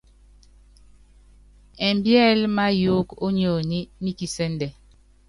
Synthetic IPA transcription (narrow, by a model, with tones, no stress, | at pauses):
ɛ˨mbjɛ˦˨lma˦jo˦ko˦ɲo˨ni˦ni˦ki˨sɛ˦ndɛ˨